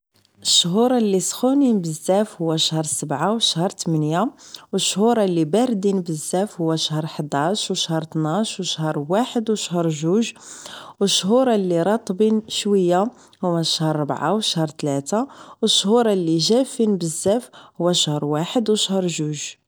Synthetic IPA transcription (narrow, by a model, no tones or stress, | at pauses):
ʔəʃːɦuɾˤɑlːisxuninbəzːæfhʊwːæʃhəɾˤsəbʕawəʃhəɾˤt̪əmənjawəʃːhuɾˤɑlːibæɾd̪inbəzːæfhʊwːæʃhəɾˤħəd̪æʃwʃhəɾˤt̪naʃwəʃhəɾˤwaħəd̪wʃhəɾˤʒuʒwəʃːɦuɾˤɑlːiɾˤɑt̪ˤːbinʃwəjːa | hʊwːæʃhəɾˤːəbʕawəʃhəɾˤt̪læt̪awəʃːhuɾˤɑlːiʒæfinbəzːæfhʊwːæʃhəɾˤwaħəd̪wəʃhəɾˤʒuʒ